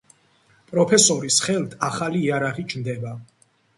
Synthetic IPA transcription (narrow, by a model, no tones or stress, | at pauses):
pʼɾɔpʰɛsɔɾisχɛlˠt̪ʰaχaliːaɾaʁit͡ʃʰnd̪ɛba